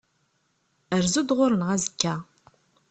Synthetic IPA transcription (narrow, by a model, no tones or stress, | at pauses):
ərzɨd̪ʁʷʊɾnʁɐzɨkʲʰːaː